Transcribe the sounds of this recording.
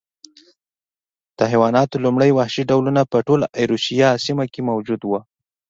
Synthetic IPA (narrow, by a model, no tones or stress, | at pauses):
d̪̥əɦjwɑnɑt̪olumɽəjwahʃiɖawlunapəʈolaʔajɾusijɑsimakemawd͡ʒud̪wə